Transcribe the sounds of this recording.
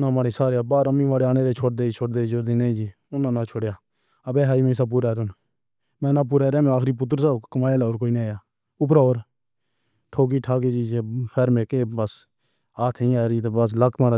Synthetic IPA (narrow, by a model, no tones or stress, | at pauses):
nãːmaːɽeːsaːɾjaːbaːɾəmːĩːʋaːɽeːaːneːɾeːt͡ʃʰoːʈd̪eːit͡ʃʰoːɽd̪eːd͡ʒoɾd̪eːned͡ʒiː | ʊnãːnãːt͡ʃʰoːɽjaː | əbeːɦaːiːmẽːs̬aːp̬uːɾaːɾʊn | mɛ̃ːnãːp̬uːɾaːɾaːmɛ̃aːxɾiːp̬ʊt̪̬ːɾsaːkəmaːjeːlaːoːɾkoːiːnẽːjaː | ʊp̬ɾaːoːɾ | ʈʰoːk̬iːʈʰaːk̬eːd͡ʒiːd͡ʒeːpʰɛːɾmẽːkeːbəs | aːt̪ʰĩːaːɾiːt̪ebəs̬ləkʰmaːɾaː